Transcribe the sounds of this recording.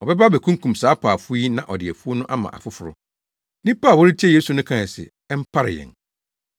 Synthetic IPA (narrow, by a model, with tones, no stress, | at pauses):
ɔ˨bɛ˦ba˦bɛ˨kʰũ˦ŋ˦kũ˨msaː˨˦pʰaː˨fʊ˦i˦nã˨ʔɔ˨dɪ˨ɛ˨fu˦o˦nʊ̃˦ʔa˦mã̰˨ʔa̰˨fʊ˦fʊ˨ɾʊ̰˦ | nĩ˦paː˦˨wɔ˦ɾi˦tʰi˦ɛ˦˨jeː˦su˨nʊ̃˦kʰã˦˨ɛ˨sɪ̰˨ | ɛ˦m̩˦pʰa˦ɾɪ̰˨jɛ̰˨n